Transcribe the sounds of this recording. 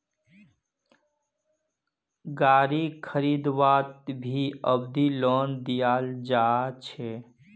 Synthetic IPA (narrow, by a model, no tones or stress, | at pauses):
ɡaːɾikʰəɾid̪ʋaːt̪̚bʱiəbd̪ilond̪ijaːld͡ʒat͡ʃʰe